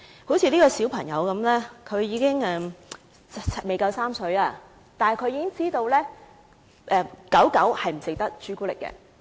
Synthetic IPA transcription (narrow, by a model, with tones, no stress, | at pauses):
ho˨˥wt͡sʰiː˨˧liː˥kɔː˧siː˨˥wpʰɐ˨˩ŋjɐ̰˨˧wkɐ˨˥mlɛː˥kʰɵ˨˧ɥjiː˨˧kɪ˥ŋɛː˧m˨ | me˨jkɐ˨˧wsaː˥msɵ˨˧ɥaː˧ | t̪aː˨nkʰɵ˨˧ɥjiː˧˥kɪ˥ŋt͡siː˥t̪o˧wlɛː˥ | ʔɛː˧˩kɐ˨˥wkɐ˨˥whɐ˨jm̩˨˩t͡sɪ˨k̚t̪ɐ˥k̚t͡ʃyː˥kuː˥lɪ̰˨kːɛ̰ː˧